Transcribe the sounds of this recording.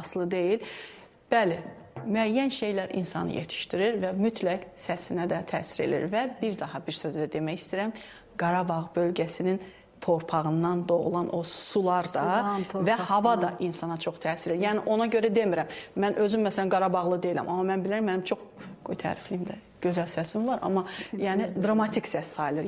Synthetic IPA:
ɑslˠɯd̪e̞jil | b̥ælɪmyæjːænʃe̞jlæɾʔḭnsɑ̰nɯ̰jet̪ʰi̥ʃt̪iɾiɾvæmyt̪ʰlæksæsinæd̪æt̪ʰæ̰ːsiɾe̞̰lḭɾvæbiɾd̪ɑɦɑbiɾsøzd̪æd̪e̞mæjist̪iɾæm | ɡ̥ɑɾɑbɑʁbø̞lɟæsinin | t̪ʰo̞ɾpʰɑɣɯnd̪ɑnd̪o̞ʁṵlˠɑnʔo̞sulˠɑɾd̪ɑvæhɑvɑd̪ɑʔinsɑnɑt͡ʃʰo̞χt̪ʰæːsiɾejæːniʔo̞nɑɟø̞ɾæd̪e̞miɾæmːænʔø̞zymːæsælænɡɑɾɑbɑʁlˠɯd̪e̞ilæ̰mʔɑmːɑmænbiliɾæmːænimt͡ʃʰo̞χɡ̥ojt̪ʰæ̰ːɾiflimd̪æ | ɟ̥ø̞zælsæsimvɑɾʔɑ̰mːɑjæːnɪd̪ɾɑmɑt̪ʰiksæssɑjlˠɯɾ

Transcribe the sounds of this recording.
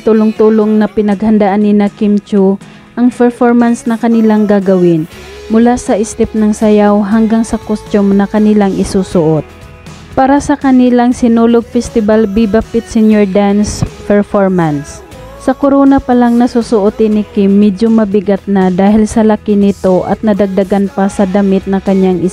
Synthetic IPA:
t̪ulʊŋt̪uːloŋnɐpɪnɐɡhɐnd̪aʔanːɪnɐkɪmt͡ʃu | ʔɐŋpɛɹfoɹmɐnsnɐkɐnɪlaŋɡaːɡɐwɪn | mʊlasɐʔɪst̪ɪp̚nɐŋsɐjawɦɐŋɡaŋsɐkost͡ʃ̪omnɐkɐnɪlaŋʔɪsuːsʊʔot̪̚ | paːɾɐsɐkɐnɪlaŋsɪnoloɡ̚fɛst̪ɪbalbibapɪt̪sɛnjoɹd̪anspɛɹfoɹmɐns | sɐkoɾoːnɐpɐlaŋnɐsusʊʔot̪ɪnɪkɪmːɛdomɐbɪɡat̪̚nɐd̪aːhɪlsɐlɐkɪnɪt̪o̞ʔɐ̰t̪̚nɐd̪ɐɡ̚d̪ɐɡanpɐsɐd̪ɐmɪt̪̚nɐkɐɲjaŋʔɪ

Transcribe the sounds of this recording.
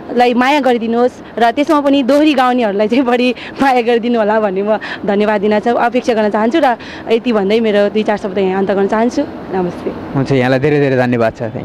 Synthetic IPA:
lajmajaɡʌɾid̪inuɦos | rʌt̪esmapʌnid̪oɦɾiɡawniɦʌɾulajt͡saĩbʌɽi | majaɡʌɾid̪inuɦolabʱʌnːemʌd̪ʱʌnjʌbad̪ːinat͡sʰʌʔʌpeksʰaɡʌrnʌt͡saɦʌnt͡sʰuɾʌ | et̪ibʱʌnd̪ʌjmeɾod̪ujt͡sarsʌbʱt̪ajãʌnt̪ʌɡʌrnʌt͡saɦʌnt͡sʰu | nʌmʌst̪e | ɦunt͡sʰʌjãlajd̪ʱeɾed̪ʱeɾed̪ʱʌnjʌbad̪̚t͡sʰʌã̰

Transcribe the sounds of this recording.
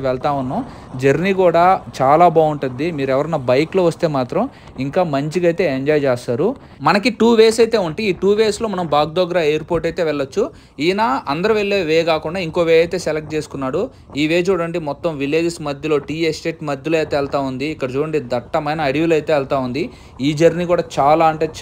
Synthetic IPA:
ʋɛɭt̪aːunːoː | d͡ʒɐɾnikuːɽaːt͡ʃaːlaːbaːuɳʈund̪imiːɾuɛʋɐɾɐnːɐbɐjkloːʋɐst̪e̞ːmaːt̪ɾɐm | iŋkaːmɐɲt͡ʃiɡɐjt̪e̞ːeɲd͡ʒaːjd͡ʒaːst̪aːɾu | mɐnɐkiʈuːʋe̞ːsɐjt̪eːuɳʈiiːʈuːʋe̞ːslo̞ːmɐnɐmbaːɡ̚d̪ɔɡɐɾaːejɐɾpoːɾʈɐjt̪e̞ːʋɛɭːɐt͡ʃːu | iːnaːʔɐnd̪ɐɾɐʋeɭːeːʋeːɡaːkuɳɖaːiŋko̞ːʋeːɐjt̪e̞ːselek̚ʈ̚t͡ʃeːsu̥kunːaːɽu | iːʋe̞ːt͡ʃuːɽɐɳɖimɔt̪ːɐmʋile̞ːd͡ʒsmɐd̪ʱjɐlo̞ːʈiːesʈe̞ːʈmɐd̪ʱjɐlɐjt̪eːɛlt̪aːund̪iːkːɐɽɐt͡ʃuːɽɐɳɖid̪ɐʈːɐmɐjnɐːɽiʋulɐjt̪e̞ːɛlt̪aːund̪i | iːd͡ʒɐɾnikuːɽaːt͡ʃaːlaːɐɳʈeː

